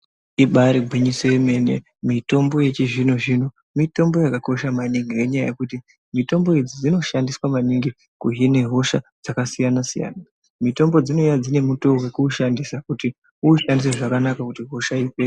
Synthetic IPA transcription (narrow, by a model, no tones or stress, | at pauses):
iɓaɾiɡʱwiɲiseme̞nḛ | mito̞mbo̞je̞t͡ʃiʐinoʐino | mito̞mbo̞jakako̞ʃamaniŋɡije̞ɲaja̰je̞kuti | mito̞mbo̞ed͡zid͡zino̞ʃandiswamaniŋɡi | kuɦine̞ɦo̞ʃad͡zakasijanasija̰ːna | mito̞mbo̞d͡zino̞jad͡zine̞muto̞wekuːʃandisakuti | uːʃandis̬eʐakanakakutiɦo̞ʃaipe